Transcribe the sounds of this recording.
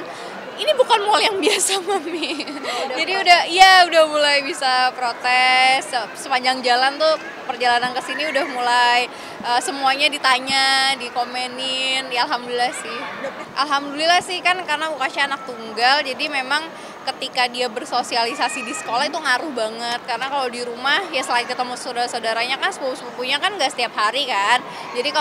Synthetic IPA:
inibukanmoljaŋbiasamamid͡ʒadiudahijaudahmulajbisapɾot̪ɛssəpaɲd͡ʒaŋd͡ʒalant̪u | pərd͡ʒalanankəsiniudahmulaj | ʔəːsəmuaɲadit̪aɲadikomenɪnjaalɦamdulilahsɪhʔalɦamdulilahsɪhkankarənabukasaːnak̚t̪uŋɡald͡ʒadimemaŋ | kət̪ikadiabərsosialisasidisə̥kolahit̪uŋaɾʊhbaŋət̪̚kaɾənakaladiɾumahjasəlaɪnkət̪əmusawdaɾasaudaɾaɲakanskuuskukuɲakanŋɡaʔsə̥t̪iap̚ɦaɾikan | d͡ʒadika

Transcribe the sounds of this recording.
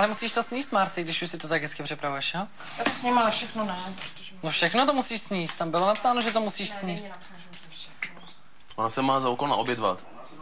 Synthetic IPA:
lɛmusiːʃt̪osɲiːst̪maːɾsɪɡdɪʃuʃsɪt̪ot̪aɡɦɛt͡skɪpr̥ɪpɾavɛʃa | j̪at̪osɲimafʃɛxnonɛpɾ | nofʃɛxnot̪omusiːʃsɲiːst̪t̪ambɪlo̞napsaːnoʒɛt̪omusiːʃsɲiːst̪̚ | ʔonasɛmaːzaukolna̰objɛd̪va̰t̪

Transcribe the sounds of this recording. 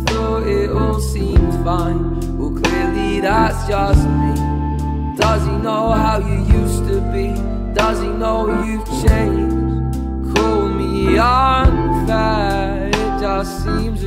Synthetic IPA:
θɔ | ɪɾɔ̃ | sĩmz̥fãɪ̃n | wəkʰl̥ɪɹliðætsd̥ʒ̥ʌsθĩ | d̥ʌzinoʊɦaʊjɨjʉstɨbi | d̥ʌzinoʊjɨt͡ʃʰẽɪ̃nd͡ʒ | kʰɔlˠmiãmfæ | d͡ʒa | ĩmz

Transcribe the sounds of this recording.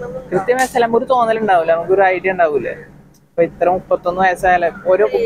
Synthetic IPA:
kɾɨt̪jɐmɐjsaːlɐmoɾut̪o̞ːnːɐluɳɖaːʋulːɐmɐkːoɾuajʈːɐuɳɖaːʋilːɐ̰ | pːoit̪ːɐɾɐmupːɐt̪ːo̞nːɨʋɐjɐsajaleo̞ːɾo̞ːku

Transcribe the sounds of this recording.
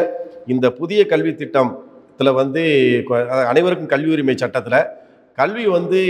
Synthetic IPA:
ɪnd̪ɐpʊðɪjɐkɐɭʋit̪ːɪʈːɐmt̪ːɪlɐʋɐnd̪ɯkɐðɐnɐɪʋɐɾɯkːɯmkɐljuːɾimɐɪt͡ʃɐʈːɐt̪ːɯlɐ | kɐlʋiʋɐnd̪ɯ

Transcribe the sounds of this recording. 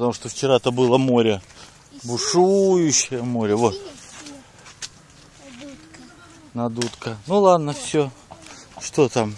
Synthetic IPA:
pət̪ɐmuʂt̪oft͡ɕɪɾat̪əbɨlˠəmo̞ɾʲə | bʊʂujʊɕːɪjəmo̞ɾʲəvot̪ | nɐd̪ut̪kənulˠad̪nəfsʲo | ʂt̪o̞t̪am

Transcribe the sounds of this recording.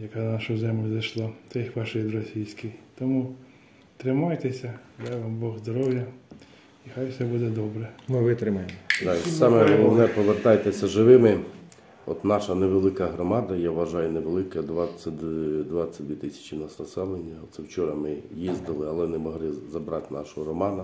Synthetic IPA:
jɐkɑnaʃʊzɛmlʲzɐjʃlˠat̪ɛjxʋɑʃɪjʲd̪ɾɔsʲijsʲkɪjt̪ɔmu | t̪ɾɪmɑjt̪esʲɐd̪aʋɑmbɔɣzd̪ɔɾɔwjɐ | ixajwsɛbud̪ɛd̪ɔbɾɛmɪʋɪt̪ɾɪmɐjemd̪ɑsɑmɛɔlˠɔʋnɛpɔʋert̪ɑjt̪esʲɐʒɪʋɪmɪ | ɔt̪nɑʃɐneʋelˠɪkɐɦɾɔmɑd̪ɐjaʋʋɐʒɑjʊneʋelˠɪkɐd̪ʋɑt͡sʲɐd̪ʋɑt͡sʲːɐd̪ʲʋʲit̪ɪsʲɐ̥t͡ʃɪnɐsnɐsɛlˠenʲːɐɔt̪sɛwt͡ʃɔɾɐmɪjizd̪ɪlˠɪɐlˠɛnɛmɔɦlˠɪzɐbɾɑt̪nɑ̰ʃɔɦɔɾɔmɑnɐ

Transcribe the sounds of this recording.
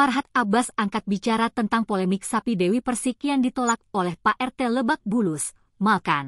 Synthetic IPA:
parɦat̪̚abasaŋkat̪̚bit͡ʃaɾat̪ənt̪aŋpolɛmɪk̚sapidɛwipərsikiandit̪olak̚olɛhpaʔɛrt̪ɛləbak̚bulus | malkan

